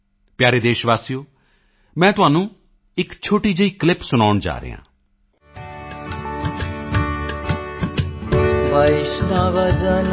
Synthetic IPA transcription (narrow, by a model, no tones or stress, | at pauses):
pjaːɾeːd̪eːʃʋaːsijoː | mɛ̃ːt̪ʊɦaːnũː | ɪkt͡ʃʰoːʈiːd͡ʒəiːklɪpsʊnaːʊɳd͡ʒa̰ːɾə̰ːã̰ː | ʋəɪʃʈ̪ãːʋəd͡ʒan